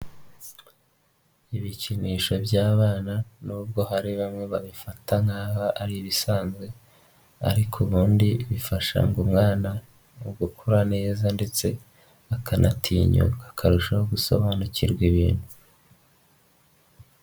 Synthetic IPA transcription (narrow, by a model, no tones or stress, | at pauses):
iβiciniːʃo̞bjaːβaːnanuːbɡo̞ɦaɾiβamŋe̞βaβifataŋaβaʔaɾiiβisaːnzɡwe̞ | a̰ɾikʰuβuːndiβifaʃa̰ŋɡumŋaːna | ubɡukʰuɾane̞ːzande̞t͡se̞ | akʰanʔa̰tʰiːɲṵkakʰaɾuʃahoɡuso̞̰βanuciɾɡwiβḭːnhu